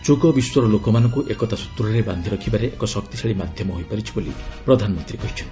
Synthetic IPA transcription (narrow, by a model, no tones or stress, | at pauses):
t͡ʃuɡɔbiswɔɾɔlokɔmanɔ̃ŋkuʔekɔt̪asu̥t̪ɾɔɾeband̪ʱiɾɔkʰibaɾeʔekɔsɔkt̪isʰaɭimad̪ʱjɔmɔɦojpaɾit͡ʃʰibolḭpɾɔd̪ʱanɔmɔnt̪ɾikɔɦit͡ʃʰɔnt̪i